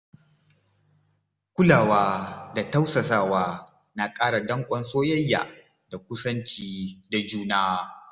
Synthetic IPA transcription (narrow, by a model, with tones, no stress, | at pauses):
kʷʊ˦laː˨waː˦da˨ta˦wsɐ˨saː˦˨waː˦ | na˨kʼaː˦ɽa˨dɐ˦ŋkʷʼɔ˦nsoː˦jɐ˦jːa̰˨ | d̥a˨kʷʊ˦sɐ˦nt͡ʃiː˦da˨d͡ʒuː˦naː˦